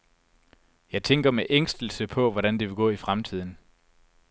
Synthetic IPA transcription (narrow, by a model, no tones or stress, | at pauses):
jɑ̈ɪt͡sʰeŋɡ̥ɐmeʔeŋ̰sd̥l̩səpʰɒ̽ʋɒɾ̥ænd̥e̝ʋe̝ɡ̥ɔ̰̽ːifʁamt͡sʰið̞̰ˠn̩